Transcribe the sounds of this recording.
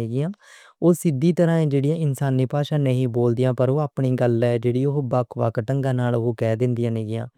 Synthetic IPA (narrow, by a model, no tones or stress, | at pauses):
eːɡɪjãː | oːsɪd̪iːt̪əɾãːẽːd͡ʒeːɽɪjãːɪnsaːniːpaːʃãːnəɦĩːboːld̪ɪjãːpəɾoːaːpɳiːɡəlɛːd͡ʒeːɽiːoɦbaːkʰʋaːkʈəŋɡãːnaːloːkɛːd̪ɪnd̪ɪjãːneːɡɪjã̰ː